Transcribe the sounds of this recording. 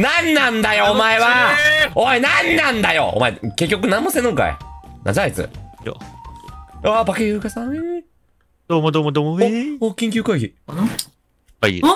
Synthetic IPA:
nãnːãnd̪ajo̞ːmaeβaoenanːãnd̪ajo̰o̰maeke̞k̬ʲːokɯ̟nãmːosenɯ̃ŋka̰ḛnã̰zaait͡sɨ̰jo̰ | abakejɯːkasãi | d̪̥oːmod̪oːmod̪oːmookʲĩŋk̬ʲɨːkaiçi | ai

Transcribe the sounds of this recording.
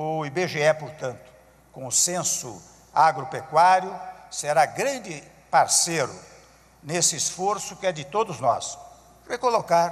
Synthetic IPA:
ʊibeʒeɛpoɾt̪ɐ̃nt̪ʊ̥ | kõʊsẽsʊ̰ | aɡɾopekwaɾjʊseɾaɡɾɐ̃nd͡ʒɪ | paɾseɾʊ | nesɪːsfoɾsʊkɪɛd͡ʒɪt̪od̪ʊznɔ̰s | rekolokaɾ

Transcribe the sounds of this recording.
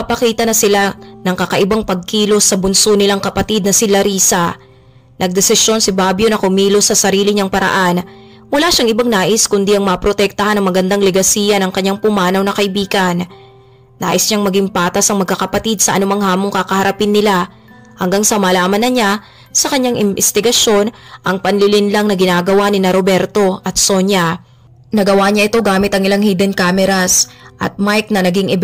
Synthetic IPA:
pɐkiːt̪ɐnɐsɪlanɐŋkɐkɐʔɪbaŋpɐɡ̚kiːlo̞sɐbʊnsonɪlaŋkɐpɐt̪id̪nɐsɪlɐɾiːsɐ | nʔɐɡ̚d̪ɛsɪso̞nsɪbabjonɐkʊmiːlosɐsɐɾiːlɪɲaŋpɐɾɐ̰ʔan | mʊlaːʃaŋʔɪbaŋnaːʔɪskʊnd̪iʔɐŋmɐpɾo̞t̪ɛk̚t̪ɐhanɐŋmɐɡɐnd̪aŋlɛɡɐsiːjɐnɐŋkɐɲːaŋpʊmaːnɐwnɐkɐʔɪbiːɡɐnː | aːʔɪsɲaŋmɐɡiŋpaːt̪ɐsɐŋmɐɡ̚kːɐkɐpɐt̪id̪̚sɐʔɐnʊmaŋhaːmoŋkakɐhɐɾɐpɪnːɪla | hɐŋɡaŋsɐmɐlaːmɐnɐɲa | sɐkɐɲːaŋʔɪmbɛst̪ɪɡɐʃo̞nʔɐŋpɐnlɪlɪnlaŋnɐɡɪnaːɡɐwanɪnɐɾobɛɾt̪o̞ʔɐt̪̚soɲɐ | nɐɡɐwaɲaʔɪt̪o̞ɡaːmɪt̪ɐŋɪlaŋhiːd̪ɛnkaːmɛɾasʔɐ̰t̪̚majk̚nɐnɐɡiŋʔɪ

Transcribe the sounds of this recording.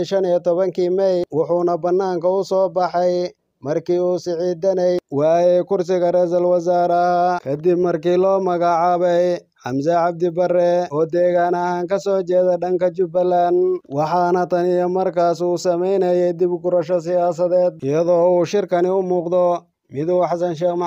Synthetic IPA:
ʃɐnijt̪ʰɔβɐŋkʰiːmɛjwʊħuːnɐbɐnːaːŋkʰɐʊsɔːbɑħɛj | mɐrkʰiːuːsɪʕiːd̪ɐnɛjwɑːjɛkʊrsɪɣɐrɛːsɐlwɐsaːɾɐkʰɐd̪ɪbmɐrkiːlɔːmɐɣɑʕɑːβɛj | ħɑmsɐʕɑb̚d̪ɪbɐrɛɔːd̪ɛːɣaːnɐhaːŋkʰɐsɔːt͡ʃɛːðɐɖɐŋkʰɐt͡ʃʊbɐlːanwɑħɑnɐt̪ʰɐnijɔmɐrkʰaːsuːsɐmɛjnɐjɛjd̪ɪbɡʊɾɐʃɔs̬ɪjaːs̬ɐðɛːd̪̚ɪjɐðɔːuːʃɪrkʰɐnɪʊmuːqd̪ɔ | mɪðuːħɑsɐnʃɛːm

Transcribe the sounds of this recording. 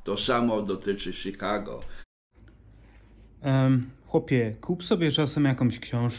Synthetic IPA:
t̪ɔsamɔd̪ɔt̪ɘt͡ʂɘɕikaɡɔ̰ | xwɔpʲjɛkʰupsɔbʲjɛt͡ʂasɛmjakɔ̃mɕkɕɛ̃w̃ʂ

